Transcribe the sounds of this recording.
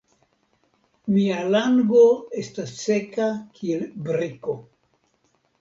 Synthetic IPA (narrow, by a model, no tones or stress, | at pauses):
mialaŋɡo̞e̞stasːe̞kakʰielbɾiko̞